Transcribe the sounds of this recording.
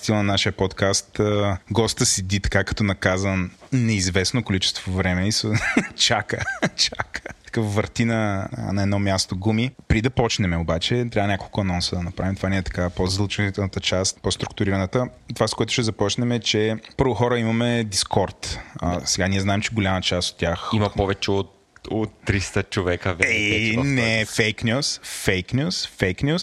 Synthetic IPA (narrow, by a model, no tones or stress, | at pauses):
st̪ilˠnɐnaʃijəpɔt̪kast̪əɡɔst̪əsɛd̪it̪ɐ̥kakɐ̥t̪ɔnɐkazənnɛizvɛsnokolit͡ʃɛ̥st̪vovɾɛmɛisot͡ʃakət͡ʃakə̥tt̪ɐ̥kəfvəɾt̪inə̰nɐɛd̪nɔmʲjast̪oɡumipɾid̪ɐpɔt͡ʃnɛmɛobat͡ʃɛt̪ɾabənʲakolˠkʊɐnɔnsəd̪ɐnɐpɾavimt̪ovanɛɛt̪ɐ̥kapozd̪lˠt͡ʃɛnit̪ɛlˠnət̪ət͡ʃast̪post̪ɾʊk̚t̪ʊɾiɾənət̪ət̪ovaskoɛt̪ʊ̥ʃɛzɐpɔt͡ʃnɛmɛt͡ʃɛpɤɾvʊxɔɾəimɐmɛd̪iskʰɔɾt̪əsɛɡaniɛznaɛmt͡ʃɛɡolʲamət͡ʃast̪o̥t̪̚ːʲaximɐpɔvɛt͡ʃɛot̪ | ot̪ːɾist̪ət͡ʃovɛkəvɛɛɛnɛfɛjknʲjusfɛjknʲjusfɛjknʲus